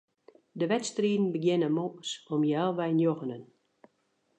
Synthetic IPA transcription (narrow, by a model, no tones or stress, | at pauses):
dəʋɛtstriːdn̩bəɡjɪnəmoʔsɔmjɛlˠʋɛjnjoɣənən